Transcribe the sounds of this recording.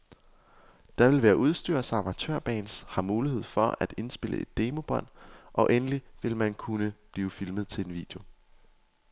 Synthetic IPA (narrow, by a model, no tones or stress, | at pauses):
d̥ɑ̈ʋe̝lʋæːɐʔuð̞ˠsd̥yɐsɑ̈mæt͡sʰø̰ɐ̰b̥ɛ̰ːnshɑ̈muːlihe̝ð̞̰ˠfɒ̽æd̥e̝nsb̥e̝lʔə̰e̝d̥ːe̝ːmo̝b̥ɒ̽n̰ʔɒ̽ʔenəliʋe̝lmænkʰunəb̥liːʊfilməð̞̩ˠt͡sʰe̝enʋḭːd̥jo̝